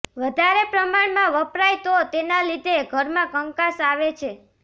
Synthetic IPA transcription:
ʋəd̪ʱaɾepɾəmaɳmãʋəpɾajt̪ot̪enalid̪ʱeɡʱəɾmãkəŋkasaʋet͡ʃʰe

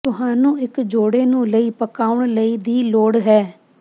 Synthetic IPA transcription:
t̪ʊɦaːnũːɪkd͡ʒoːɽeːnũːləiːpəkaːʊɳləiːd̪iːloːɽɦɛː

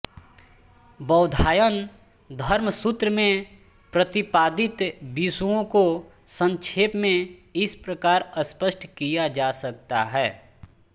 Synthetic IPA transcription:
bəːʊd̪ʱaːjən | d̪ʱɐɾməsʊt̪ɾəmẽ | pɾət̪ɪpaːd̪ɪt̪bisuõko | sə̃ŋʃʰeːpmẽɪspɾəkaːɾəspəsʈʰkijad͡ʒaːsɐk̚t̪a̰ɦɛː

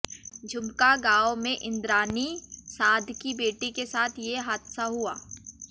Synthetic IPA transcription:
d͡ʒʱʊmkaɡaːwmẽʔɪ̃nd̪ɾaːnisaːd̪ʱkibeːʈikesaːt̪ʰjeɦaːt̪saɦuaː

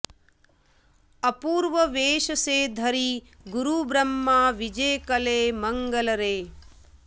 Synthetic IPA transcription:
ɐpuːɾʋɐʋeːʃɐseːd̪ʱɐɾi | ɡuɾubɾɐmːaːʋid͡ʒeːkɐleːmɐŋɡɐlɐɾeː

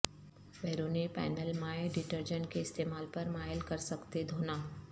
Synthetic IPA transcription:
ʋeːɾoːnipɛ̰ːnəlmaːeɖɪʈəɾd͡ʒə̃ɳʈkeɪst̪eːmaːlpɐɾmaːjəlkɐɾsɐkt̪ed̪ʱoːnaː

